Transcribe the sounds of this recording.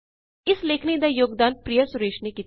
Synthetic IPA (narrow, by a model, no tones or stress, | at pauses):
ɪsleːkʰniːd̪aːjoːɡ̚d̪aːnt̪̚pɾijasʊɾeːʃnekiːt̪